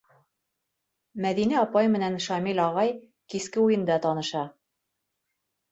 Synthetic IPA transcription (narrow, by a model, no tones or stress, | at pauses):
mæðinæɒpɑjmɘ̆nænʃɑmilʲɒʁɑj | kiskɘujɤ̆nd̪ɑt̪ɒnɤ̆ʃɑ